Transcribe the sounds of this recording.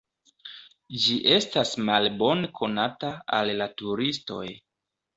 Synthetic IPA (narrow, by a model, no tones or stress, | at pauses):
d͡ʒiʔe̞stasmalbo̞nekʰo̞nataalːatuɾisto̞̰j